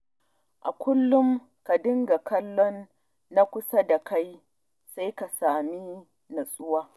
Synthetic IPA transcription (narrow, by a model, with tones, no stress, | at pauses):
ʔa˨kʷʊ˦lːʊ˦m | ka˨dɪ˦ŋɡa˨kɐ˦lːɔ˦nː | a˦kʷʊ˦sa˦da˨ka˦j | sa˦jka˨saː˨mi˦ | nɐ˨sʼʊ˦waː˦